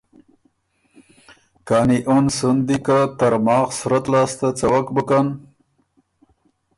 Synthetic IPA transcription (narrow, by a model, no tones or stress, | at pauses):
kaːniʔonsund̪ikat̪aɾmɑːxsʊɾat̪lɑːst̪at͡sawakbəkan